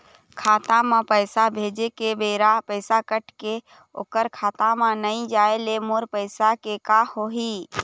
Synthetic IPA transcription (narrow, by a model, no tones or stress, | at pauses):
kʰaːt̪amãpəɪsabʱeːd͡ʒekebeːɾapəɪsakəʈke | o̰ːkəɾkʰaːt̪ãmãnəĩd͡ʒaːelemoɾpəɪsakekahoɦi